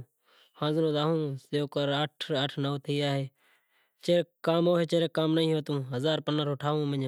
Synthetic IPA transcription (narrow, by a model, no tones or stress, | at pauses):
hãːznõːd̪aːɦũːseoːkəɾaʈʰəʈʰnəːt̪ʰiːaːɦeː | t͡ʃeːkaːmoːɦeːt͡ʃeːɾekaːmnəĩːɦoːt̪ũːɦəzaːɾpənəɾoːʈʰaːʋũːməɲ